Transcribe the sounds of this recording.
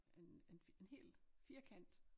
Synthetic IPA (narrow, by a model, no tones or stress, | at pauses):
enene̝nhe̝̰ːlfiːɐkʰæn̰d̥